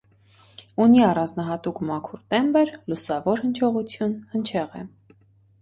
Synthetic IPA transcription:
uniɑrɑnd͡znɑɦɑt̪ukmɑkʰuɾt̪ɛmbɛɾlusɑvɔɾhənt͡ʃʰɔʁut͡sʰjunhənt͡ʃʰɛʁɛ̰

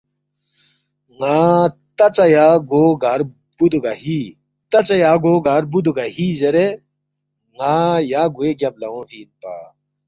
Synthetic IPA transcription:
ŋaːt̪ɐt͡sɐjaːɡoːɡaɾ | b̥ud̪uɡaɦi | t̪ɐt͡sɐjaːɡoːɡaɾbud̪uɡahiːzɐɾe | ŋaːjaːɡueɡjɐb̚lɐõːviːnpa̰ː

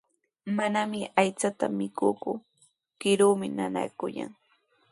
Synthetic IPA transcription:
manamɪajt͡sat̪a̰mɪkʊkʊ | kɪɾuːmɪnana̰kʊja̰ŋ

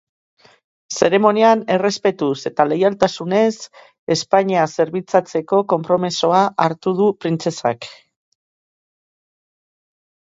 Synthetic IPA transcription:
se̞ɾe̞mo̞niane̞re̞spe̞t̪use̞t̪ale̞jalt̪asune̞s | e̞spaɲiase̞ɾβit͡sat͡se̞ko̞ko̞mpɾo̞misoaʔaɾt̪uðupɾint͡se̞sak

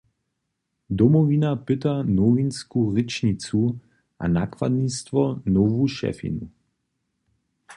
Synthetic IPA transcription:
d̪ɔmɔvinapɪt̪anɔvinskuʁɪt͡ʃnit͡su | ʔa̰nakva̰d̪nist̪vɔnɔvuʃɛ̰fḭnu

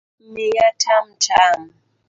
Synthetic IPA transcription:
mɪjatʰam̩tʰaːm̩

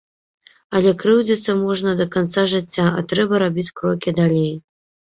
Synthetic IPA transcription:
ɐlʲɛkɾɨwd͡zʲɐt̪sːɐmɔʐnɐd̪ɐkant̪saʐɨt͡sʲːaɐt̪ɾɛbɐɾabʲit͡sʲkɾɔkʲid̪alʲej

